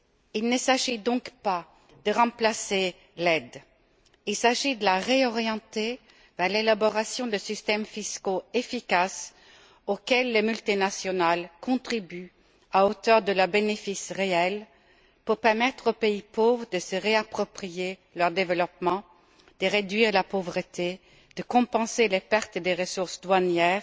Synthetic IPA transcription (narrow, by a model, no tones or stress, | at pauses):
ilnəsaʒid̪ɔ̃kpa | d̪̥əʁɑ̃plase | lɛd̪ | ilsaʒid̪əlaʁeɔʁjɑ̃t̪e | vɛʁlelabɔʁasjɔ̃d̪əsist̪ɛmfiskoefikas | okʲɛlːemylt̪inasjɔnalkɔ̃t̪χiby | aot̪œʁd̪əlœʁbenefisʁeɛl | puʁpɛʁmɛt̪χopeipovʁəd̪əsəʁeapχɔpχijelœʁd̪evəlɔp̚mɑ̃ | d̪̥əʁed̪ɥiːʁlapovʁət̪e | d̪̥əkɔ̃pɑ̃selepɛʁt̪d̪eʁəsuʁsd̪wanjɛːʁ